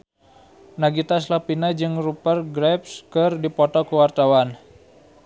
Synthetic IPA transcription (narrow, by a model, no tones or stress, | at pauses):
naɡit̪as̬lapinad͡ʒɨŋrupərɡɾɛpskɨrdipɔt̪ɔkuwart̪awan